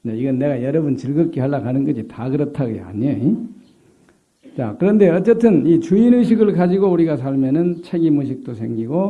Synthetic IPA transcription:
ɲeiɡʌnːe̞ɣajʌɾʌbunt͡ɕɯɭɡɯk͈ehaɭːakanɯnɡʌɕʰitakɯɾʌtʰaɡḛa̰ɲʌi | t͡ɕakɯɾʌnde̞ʌt͡ɕ͈etʰɯnit͡ɕuinɯɕ̬ʰiɡɯɭkad͡ʑiɡouɾiɡasʰaɭmjʌnɯnt͡ɕʰe̞ɡimuɕ̬ʰik̚t͈osʰe̞ŋɡiɡo

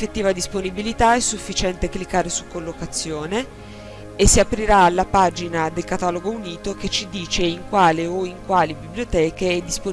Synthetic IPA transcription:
fet̪ːiːvad̪isponibilit̪aɛsːufːit͡ʃɛnt̪eklikːaːɾesukːolːokat̪sːjoːneː | sːiapɾiɾaːlːapad͡ʒinad̪elkat̪aloɡouniːt̪oket͡ʃːid̪iːt͡ʃeiŋkwaːleoiŋkwaːlibibljot̪ɛːkeɛd̪ispo

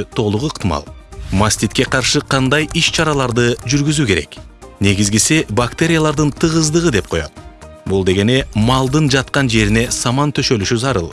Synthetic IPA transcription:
t̪ʰo̞lˠuʁuɯqt̪ɨmɑ̰lˠmasʲt̪ʲit̪ke̞qʰɑɾʃɯqʰɑnd̪ɑjiʃt͡ʃʰɑɾɑlˠɑɾd̪ɯd͡ʒyɾɡyzyke̞ɾe̞̰k | ne̞ɡizɡisibakt̪e̞ɾʲɪjalˠɑɾd̪ɯnt̪ʰɯʁɯzd̪ɯʁɯd̪e̞p̚qʰo̞jo̰t̪ | bulˠd̪e̞ɡe̞ne̞mɑlˠd̪ɯnd͡ʒɑt̪̚qɑnd͡ʒe̞ɾine̞sɑmɑnt̪ʰø̞ʃø̞lyʃyzɑɾɯ̰lˠ

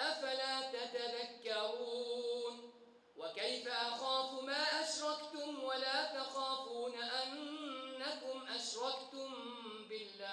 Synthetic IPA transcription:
ʔafalaːt̪at̪aðakːɑɾuːn | wakajfaʔɑxaːfumaːʔaʃɾˤɑkt̪ʊmwalaːt̪ɑxɑːfuːnaʔanːakʊmʔaʃɾˤɑkt̪ʊm | bɪlːaː

